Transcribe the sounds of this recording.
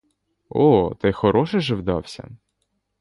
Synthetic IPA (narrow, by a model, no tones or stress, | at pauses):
ɔt̪ɛxɔɾɔʃɛʒɛwd̪ɑ̰wsʲɐ̰